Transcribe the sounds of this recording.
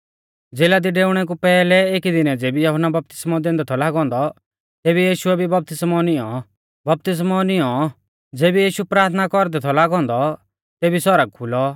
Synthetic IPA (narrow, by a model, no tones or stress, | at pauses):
d͡zeːlad̪iɖeːʊɽ̃ɛk̬upɛːlɛeːkid̪ɪnɛd͡zeːbijɔɦʊnːabɐp̚t̪ɪ̥smɔd̪ẽːnd̪ɛt̪ʰɔlaːɡɔ̃ːnd̪ɔ | t̪eːbijiːʃʊɛbʱibɐp̚t̪ɪsmɔnɪɔ̰̃ | bɐp̚t̪ɪs̬mɔnɪɔ | d͡zeːbijiːʃupɾaːɾt̪ʰnakɔɾd̪ɛt̪ʰɔlaːɡɔ̃ːnd̪ɔ | t̪eːbisɔɾəɡ̚kʰʊlɔ